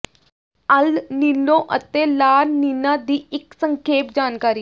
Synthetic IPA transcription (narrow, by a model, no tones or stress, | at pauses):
əlniːnõːʔət̪eːlaːɾniːnãːd̪iːɪksəŋkʰeːpd͡ʒaːnkaːɾiː